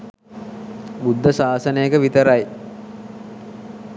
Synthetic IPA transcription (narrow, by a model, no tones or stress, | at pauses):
bud̪ʱːəsaːsənəjekəʋit̪əɾaj